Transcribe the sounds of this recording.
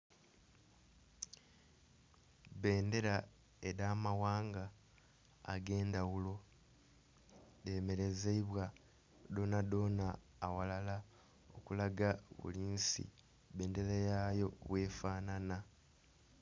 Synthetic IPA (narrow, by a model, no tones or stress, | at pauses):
βe̞ːnde̞ɾa | eɾaːmawaːŋɡa̰ː | ɡe̞ːndawulo̞ | deme̞ɾe̞zeiβwa | do̞ːnado̞ːnaː | walala | o̞̰kulaɡaβṵliːnsḭ | βe̞ːnde̞ɾejajo̞βwe̞ːfaːnana